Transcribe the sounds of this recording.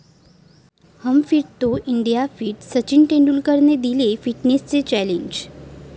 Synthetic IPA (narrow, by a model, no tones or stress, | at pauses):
həmfiɾt̪oʔiɳɖijafiʈsət͡ɕiɳʈẽɳɖulkəɾned̪ilefiʈnest͡set͡ɕæleɲd͡ʑ